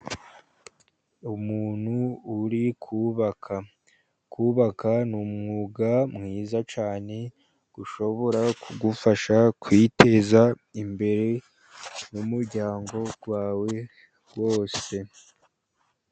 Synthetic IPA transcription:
umuːn̥huːɾikʰuβakʰa | kuːβakanumŋuːɡamŋiːzat͡ʃaːne̞ | ɡ̥uʃo̞βo̞ɾauɡufaʃakwite̞za | imbe̞ɾe̞ | numuɾɟaːŋɡo̞ɡ̥waːwe̞ | ɡ̥wo̞ːse̞

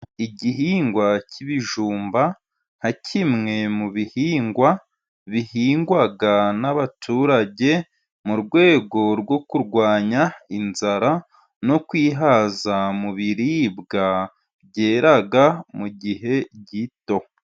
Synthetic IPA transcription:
iɟiɦiːŋɡwacʰiβiʒuːmba | n̥hacʰimŋe̞muβihiːŋɡwa | βihiːŋɡwaɡanaβatʰuːɾaɟe̞ | muɾɡwe̞ːɡo̞ɾɡwo̞kuɾɡwaːɲainzaɾa | no̞kwiːɦaːzamuβiɾibɡa | ɟe̞ːɾaɡamuɟiɦe̞ɟito̞

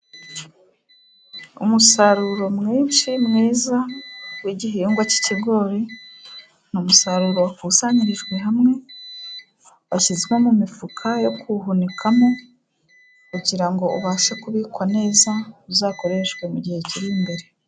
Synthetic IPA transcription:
ṵmusaɾuɾo̞mŋiːnt͡ʃimŋiːzawiɟiɦiːŋɡwaci̥ciɡo̞ːɾi | numusaɾuɾo̞wakusaːɲiɾiʒɡwe̞ɦamŋe̞ | βaçizɡwemumifukʰajo̞kuɦunikʰamo̞ | kuɟiɾaŋɡo̞uβasekuβiːkwane̞ːzauzaːko̞ɾe̞ʃwe̞muɟihe̞ciɾimbe̞ɾe̞

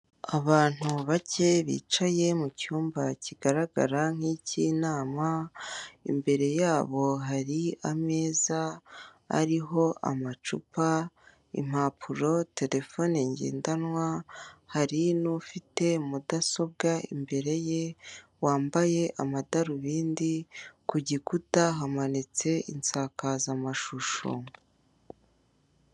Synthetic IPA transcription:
aβaːn̥huβace̞βḭːt͡ʃaje̞mucuːmbaciɡ̥aɾaɡa̰ɾaŋ̥hicinaːma | ḭmbe̞ɾe̞jaːβo̞ɦaɾiame̞ːza | a̰ɾiɦo̞ʔa̰mat͡ʃupa | ḭm̥haːpʰuɾo̞te̞ɾe̞fo̞neɲɟḛːndanwahaɾinufite̞mudaso̞b̚ɡaḭmbe̞ɾe̞je̞waːmbaje̞ʔamadaɾuβiːndikuɟikutaɦamanit͡se̞ʔḭnt͡saːkazamaʃuʃo̰

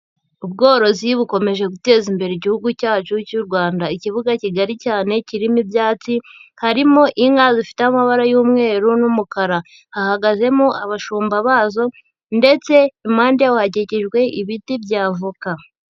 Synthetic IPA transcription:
ub̚ɡo̞ːɾo̞ziβuko̞me̞ʒe̞ɡute̞ːzimbe̞ɾeiɟihuɡucaːt͡ʃucuɾɡwaːndaiciβuɡaciɡaɾicaːne̞ciɾimibjaːt͡sihaɾimo̞ʔiŋazifi̥teamaβaɾajuːmŋe̞ːɾunumukaɾa | hahaɡaze̞muʔaβaʃuːmbaβaːzo̞ | nde̞t͡se̞imaːndijauhaɟeceʒɡwe̞ʔiβitibɟaːvuka

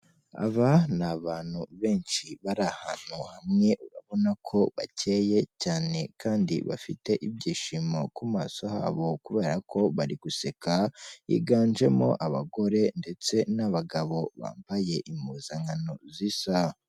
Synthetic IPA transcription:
a̰βanaβaːn̥huβe̞ːnʃiβaɾahan̥uhamŋe̞ʔuɾaβo̞nakʰo̞βacʰe̞ːje̞caːne̞kaːndḭβa̰fite̞ʔibɟiːʃimo̰kumaːso̞ha̰ːβo̞kuβe̞ːɾakʰo̞βaɾiɡ̥use̞kaḭɡaːnd͡ʒe̞mo̞ʔaβaɡo̞ɾe̞nde̞t͡se̞naβaɡaβo̞βa̰ːmpaje̞ʔimuːzaŋano̞zisa

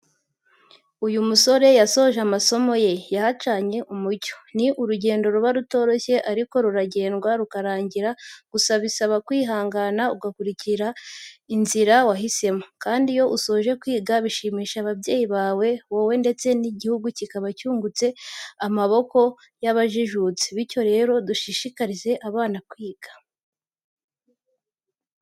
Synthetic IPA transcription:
ujumuso̞ɾe̞jaso̞ʒamaso̞mo̞je̞jahat͡ʃaɲe̞ʔumuco̥niʔuɾuɟe̞ːndo̞ɾuβaɾuto̞ːɾo̞çe̞ʔaɾiko̞ɾuɾaɟe̞ːnɡwaɾukaɾaːɲɟiɾaɡ̥usaβisaβakwiːɦaːŋɡanauɡakuɾiciɾainziɾawaɦise̞makaːndijo̞ʔuso̞ːʒe̞kwiːɡaβiʃiːmiːʃaβabje̞ːjiβaːwe̞wowe̞nde̞t͡se̞niɟihuɡucikaβacuːŋɡut͡se̞amaβo̞ko̞ | jaβaʒiʒut͡si̥βico̞ɾe̞ːɾo̞duʃiʃikaɾize̞ʔaβaːnakwiːɡ̥ḁ

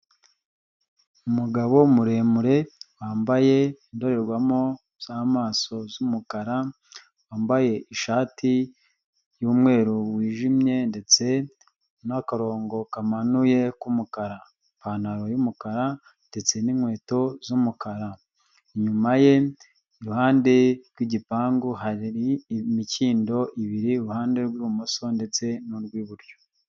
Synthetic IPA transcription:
umuɡaβo̞muɾe̞muɾe̞waːmbaje̞indo̞ɾe̞ɾɡwamo̞ | z̥aːmaːso̞zumukaɾa | waːmbaje̞ʔiʃaːti | juːmŋe̞ːɾuwiːʒimɲe̞nde̞t͡se̞ | nakaɾo̞ːŋɡo̞kamanuje̞kumukaɾa | paːnaɾo̞jumukaɾa | nde̞t͡se̞ninhwe̞ːto̞zumukaɾa | iɲumaje̞ | iɾuhaːnde̞ɾɡwiɟipaːŋɡoɦaɾiɾimiciːndo̞ʔiβiɾiɾuhaːnde̞ɾɡwumuso̞nde̞t͡se̞nuɾɡwiβuɾjo

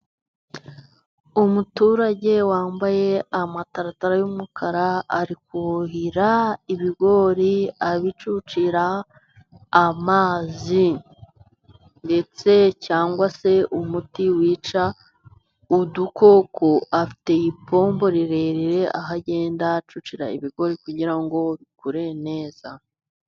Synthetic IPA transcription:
umutuːɾaɟe̞waːmbaje̞amataɾataɾajumukʰaɾaaɾikuuɦiɾaiβiɡo̞ɾiaβit͡ʃut͡ʃiɾaː | maːzi | nde̞t͡se̞caːŋɡwase̞umutiwiːt͡ʃa | uduko̞ːkʰoʔafi̥te̞ipʰo̞ːmbo̞ɾiɾe̞ɾiɾe̞ʔaɦaɟe̞ːndat͡ʃut͡ʃiɾa̰ḭβiɡo̞ɾikuɟiɾaŋɡo̞βikuɾe̞ne̞ːz̥a

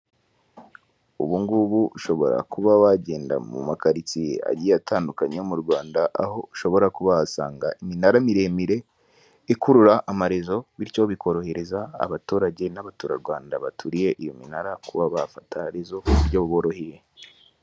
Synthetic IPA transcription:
ṵβuŋɡuβuːʃo̞βo̞̰ɾa̰kuβawaɟe̞ːnda̰mṵmakaɾit͡sia̰ɟiataːndukaɲeomuɾɡwaːndaʔaho̞uʃo̞βo̞ɾakuβaasa̰ːŋɡaiminaɾamiɾe̞ːmiɾe̞ | ikuɾuɾaʔːmaɾezo̞βiɾco̞βikʰo̞ɾo̞heɾeza̰ːβatuːɾaɟe̞naβatuːɾaɾɡwaːndaβatʰuɾije̞ʔijo̞minaɾakuβaβafatʰaɾezo̞uɾɟoβuβo̞ɾo̞hije̞

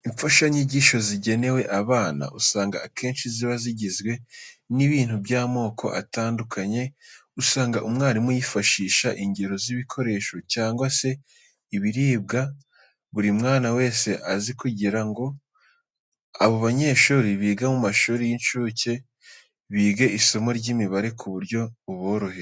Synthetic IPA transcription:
iɱfaʃaɲiɟiʃo̞ziɟe̞ne̞we̞ʔaβaːna̰ʔusaːŋɡa̰kʰe̞ːnʃiziβaziɟizɡweniβiːn̥huβjaːmo̞ːkʰo̞̰ʔa̰taːndukʰaɲe̞usaːŋɡaʔumŋaːɾimujifaʃiːʃaʔiɲɟe̞ɾo̞ziβikʰo̞ɾe̞ːʃo̞caːŋɡwase̞ | iβiɾiːb̚ɡa | βuɾimŋaːnawe̞ːse̞ʔazikuɟiɾaŋɡo̞ | a̰βo̞βaɲe̞ːʃuːɾiβiːɡamumaʃuːɾijinʃuːce̞ | βiːɡe̞iso̞mo̞ɾɟiːmiβaɾe̞kʰuβuɾɟo̞uβoːɾo̞heɾo

